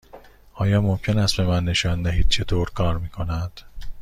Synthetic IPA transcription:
ɒːjɒːmo̞mcʰe̞næst̪̚be̞mænːe̞ʃɒːnd̪æɦiːd̪̥̚t͡ʃʰe̞t̪ʰoːɾkʰɒːɾmiːkʰo̞næd̪̥

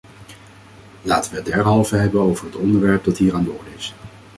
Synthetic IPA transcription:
laːtənʋədɛɹɦɑlˠvəɦɛbənowvəɹɦətɔndəɹʋɛɹp̚dɑtɦiːɹaːndʊːɹdɪs

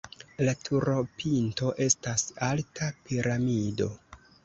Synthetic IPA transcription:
latʰuɾo̞pʰinto̞ʔe̞stasaltʰapiɾamido̞

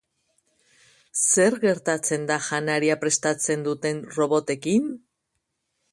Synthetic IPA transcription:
se̞ɾɣe̞ɾt̪at͡se̞nd̪aʝanaɾiapɾe̞st̪at͡se̞nd̪ut̪e̞nro̞βo̞t̪e̞kin

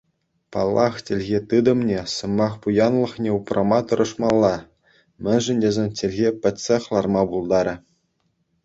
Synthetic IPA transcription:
pɑlˠːɑχtʲĕlʲɣʲet̪ɯd̪ɤ̆mnʲesɤ̆mɑχpujɑnlˠɤ̆χnʲeuprʔɑmɑt̪ɤ̆ɾʔɤ̆ʂmɑlˠːɑ | mʲɘ̆nʲʐɘ̆nʲdʲezʲenʲtʲĕlʲɣʲepʲɘ̆tʲsʲeχlˠɑrmɑbulˠd̪ɑɾʲɘ̆

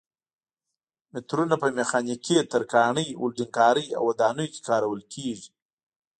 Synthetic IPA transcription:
mɪt̪ɾunapəmexɑniket̪əɾkɑɳəjwʊ̰lɖiŋkɑɾəja̰wːad̪ɑnəjke̥kɑɾawəlkʰeʐi̥

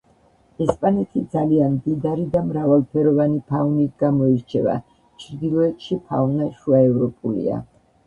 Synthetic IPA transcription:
ɛspʼanɛt̪ʰid̪zalianmd̪id̪aɾid̪amɾavalˠpʰɛɾɔvanipʰaunit̪ʰɡamɔiɾt͡ʃʰɛva̰ | t͡ʃʰɾd̪ilˠɔɛt̪ʰʼʃipʰa̰unaʃuaɛvɾɔpʼulḭa̰

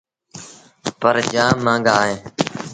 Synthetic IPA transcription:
pəɾd͡ʒãːmːãːŋɡaːɦẽː

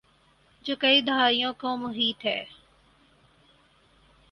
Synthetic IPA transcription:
d͡ʒoːkɐiːd̪əɦaːijõːkõːmʊɦiːt̪ɦɛ̰ː

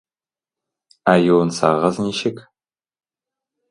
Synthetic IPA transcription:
aːjownsʰa̰ːʁɐzniːʃɪkʰ

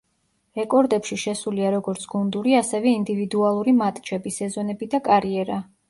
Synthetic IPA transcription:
ɾɛkʼɔɾd̪ɛpʃiʃɛsuliaɾɔɡɔɾt̪sʰɡ̥und̪uɾiasɛvɛind̪ivid̪ualˠuɾimat̪ʼt͡ʃʰɛbisɛzɔnɛbid̪akʼaɾiɛɾa

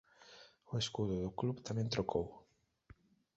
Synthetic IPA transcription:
oeskuðʊðʊklubt̪amẽnt̪ɾokʰow

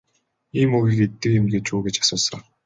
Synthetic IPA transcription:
iːmɵɣiket̪ːɘ̆kemɡeːt͡ɕuːɡet͡ɕḁsʊːsə̆χ

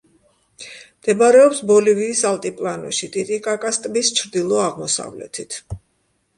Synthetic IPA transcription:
md̪̥ɛbaɾɛɔpsbɔliviːsalt̪ʼipʼlˠanɔ̰ʃit̪ʼit̪ʼikʼakʼast̪ʼbist͡ʃʰɾd̪ilˠɔaʁmɔsa̰vlɛ̰t̪ʰit̪ʰ

